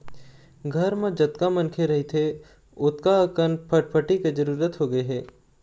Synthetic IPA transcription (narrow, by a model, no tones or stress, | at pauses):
ɡʱɐɾmẽd͡ʒɐt̪kamɐ̃nkʰeɾɐɦit̪ʰe | ʊt̪kakənpʰəʈ̚pʰəʈiked͡ʒɐɾuːɾət̪ɦoɡɐeɦɛː